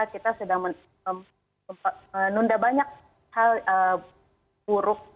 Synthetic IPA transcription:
akit̪asədaŋmən | əm | əmpaənundabaɲak̚ | halə | b̥uɾʊk̚

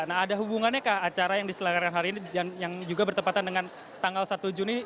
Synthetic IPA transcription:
naɦːdaɦubuŋanɲakahat͡ʃaɾajaŋdisəlakarkanɦaɾiːnidanjaŋd͡ʒuɡabərt̪əmpat̪andəŋan | t̪aŋɡalsat̪ud͡ʒuni

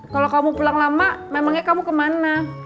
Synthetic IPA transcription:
kalokamupulaŋlamamemaŋɲakamukəmana

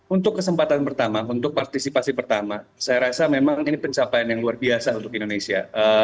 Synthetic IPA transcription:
unt̪ʊkːəsəmpat̪anpərt̪amaunt̪ʊk̚part̪isipasipərt̪amasajaɾasamemaŋinipəɲt͡ʃapaanjaŋluarbiasaunt̪ʊkindonesia̰ʔə

